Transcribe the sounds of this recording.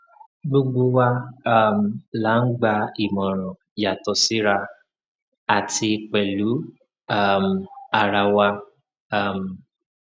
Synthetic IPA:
ɡ͡bo˦ɡ͡bo˦wa˦˨m̩˨la˨˦ŋ̩˦ɡ͡ba˧i˨mɔ˨ɾɔ̃˨ | ja˨tɔ˨sɪ˦ɾa˧ | a˨tɪ˧k͡pe˨lu˨˦ | a˦˨m̩˨a˨ɾa˧wa˦ | a˦˨m̩˨

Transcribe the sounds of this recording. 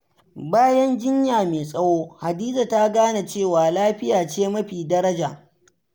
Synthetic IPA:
baː˦jɐ˦nd͡ʒɪ˦ɲjaː˨meː˨sʼɐ˦woː˦ha˨diː˦d͡ʒa˨ta˦ɡaː˦na˨t͡ʃeː˦˨waː˨laː˦ɸɪ˦jaː˨t͡ʃeː˦mɐ˦ɸiː˨dɐ˦ɾɐ˦d͡ʒaː˨

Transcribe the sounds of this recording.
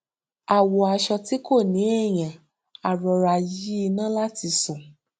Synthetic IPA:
a˨wɔ˨a˧ʃɔ˧ti˨˦ko˦˨nĩ˨˦e˦˨j̃ã˨ | a˨ɾɔ˨ɾa˨ji˨˦i˧nãː˦la˦ti˧sɔ̃˨

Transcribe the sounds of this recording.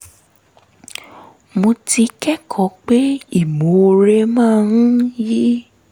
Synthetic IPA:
mo˧ti˧kɛ˦kʰɔ˨˦k͡pe˦i˦˨mo˨˦˧ɾe˧mãː˦˨ñ̩˦ji˦

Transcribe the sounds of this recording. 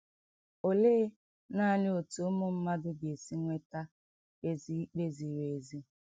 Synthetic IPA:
o˨le˦ | na˦˨lɪ˦o˨tu˨˦mʊ˦m̩˦ma˦dʊ˦ɡe˨si˦ŋʷe˦ta˦ | e˦zi˦k͡pe˦zi˨ɾe˨zi˦

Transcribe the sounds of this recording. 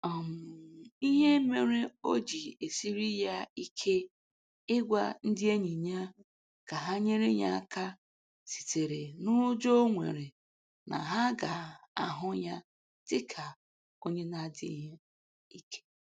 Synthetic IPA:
ɔ˨m̩˨i˦ɦe˦me˨ɾe˦o˦d͡ʒi˨e˨si˦ɾi˦ja˦i˦kʰe˦ | ɪ˦ɡʷa̰˦n̩˦dɪ˦e˦ɲi˨ɲa˦ | ka˨ɦa˦ɲe˦ɾe˦ɲa̰˦a˨ka˦ | si̥˨te˨ɾe˨nʊ˦d͡ʒo˦o˦ŋʷḛ˨ɾe˨ | na̰˨ɦa˦ɡa˨a˨ɦʊ˦ja˦ | tɪ˦kʰa˨ | o˦ɲe˦na˦˨dɪ̰˦ɦe˦ | i˦kʰe̥˦

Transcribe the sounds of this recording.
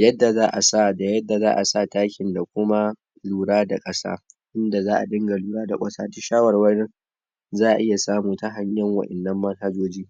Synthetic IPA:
jɐ˦dːa˨zaː˦ʔa˨sa˦˨da˨jɐ˦dːa˨zaː˦ʔa˨sa˦˨taː˦kʲɪ˨nda˨kʷʊ˦ma˦ | luː˨ɽaː˦da˨kʼɐ˦sa̰ː˦ʔɪ˦nda˨zaː˦ʔa˨dɪ˦ŋɡa˨luː˨ɽaː˦da̰˨kʷʼɐ˦saː˦dʊ˦ʃaː˦wɐ˨rwɐ˦nɪ˦ | zaː˦˨ʔa̰˨ʔɪ˦ja˨saː˦muː˨ta˦ɦa˦ɲjɐ˦ŋwɐ˨ʔɛ˨nːɐ˦mːɐ˦nha˦d͡ʒoː˦d͡ʒiː˦

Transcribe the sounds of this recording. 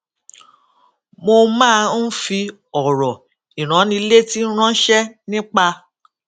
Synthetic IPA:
mo˧mãː˦˧n̩˦fi˧ | ɔ˨ɾɔ˨ | i˨ɾ̃ã˨˦nĩ˧˦le˦ti˦n̩˦ɾ̃ã˦ʃɛ˦nĩ˦k͡pa˧

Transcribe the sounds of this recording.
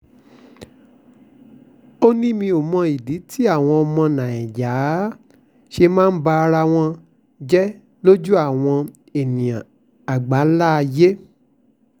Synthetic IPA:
o˦nĩ˦mĩ˧o˨mɔ̃˧i˨di˨˦tʰi˦a˦˨w̃ɔ̃˧ɔ˧mɔ̃˧nã˨ɛ̃˨ja˨˦ | ʃe˧mãː˦ba˧ɾa˧w̃ɔ̃˧ | d͡ʒɛ˦ | lo˦d͡ʒu˦a˦˨w̃ɔ̃˧ | e˨nĩ˨jã˨ | a˨ɡ͡ba˨˦la˦˧je˦

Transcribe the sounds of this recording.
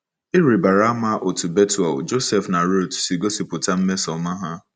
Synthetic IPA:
ɪ˦ɾi˨ba˨ɾa˦ma˦ʔo˨tu˨be˦tu˨a̰˨d͡ʒo˦sɛ˨fna˨ɾo˦˨tsi˨ɡo˦si˨pʊ˨ta˦m̩˦me˦sɔ˨ma˦ɦa˦

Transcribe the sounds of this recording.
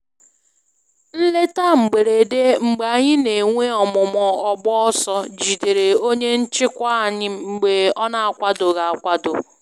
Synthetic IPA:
n̩˦le˦ta˦ŋ͡m̩˨ɡ͡be˨ɾe˨de˦ŋ͡m̩˨ɡ͡ba˨ɲɪ˦ne˨ŋʷe˦ɔ˨mʊ˨mɔ˨ɔ˨ɡ͡bɔ˦ɔ˦sɔ˦d͡ʒi˨de˨ɾe˨o˦ɲe˦n̩˦t͡ʃɪ˦kʷa˦˨ɲɪ˦ŋ͡m̩˨ɡ͡be˨ɔ˦na˨a˦kʷa˦dʊ˨ɣa˨a˨kʷa˦dʊ˨

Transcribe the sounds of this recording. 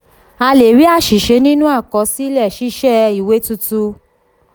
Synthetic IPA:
a˧le˨ɾi˨˦a˦˨ʃi˨ʃe˨˧˦nĩ˦nũ˦a˦˨kɔ˧si˦lɛ˦˨ʃi˦ʃɛ˦˨i˦˨we˨˦tu˧tu˧˦

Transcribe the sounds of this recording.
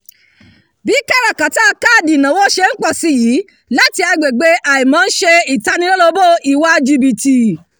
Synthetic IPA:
bi˨˦kɛ˦˨ɾa˨kã˨ti˦a˧ka˦˨di˨nã˨˦wo˦ʃe˧n̩˦k͡pɔ˦˨si˨˦˨ji˨˦ | la˦ti˧a˧ɡ͡be˨ɡ͡be˧˦ʔa˨i˨mã˨˦ʃe˧i˨ta˨˧nĩ˧lo˦lo˧bo˦i˨wa˧d͡ʒi˧bi˨ti˨

